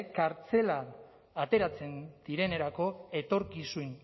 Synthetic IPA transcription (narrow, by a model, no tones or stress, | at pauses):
kaɾt͡se̞lan | at̪e̞ɾat͡se̞nd̪̥iɾe̞ne̞ɾako̞e̞t̪o̞ɾkisuin